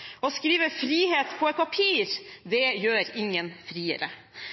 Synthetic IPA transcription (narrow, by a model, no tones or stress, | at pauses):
ɔskɾiːʋəfɾiːheːt̪pʰɔɛt̪̚pʰɑpʰiːɾd̪ɛjøːɾɪŋənfɾiːə̰ɾə